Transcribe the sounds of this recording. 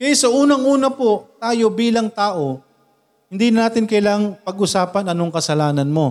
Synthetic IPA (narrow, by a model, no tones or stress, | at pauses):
kɐjasɐʔuːnɐŋʔuːnɐpo̞t̪aːjo̞biːlɐŋt̪aːʔo̞ | hɪnd̪iːnnaːt̪ɪnkɐjlaŋpɐɡʊsaːpɐnɐno̞ŋkɐsɐlaːnɐnmo̞